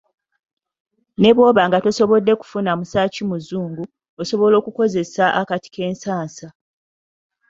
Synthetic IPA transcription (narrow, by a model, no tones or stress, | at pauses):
ne̞βwo̞ːβaŋɡato̞so̞βo̞dːe̞ku̥funamusaːcimuzuːŋɡu | oso̞βo̞lo̞ːkuko̞ze̞saʔakati̥kʰe̞ːnsaːnsa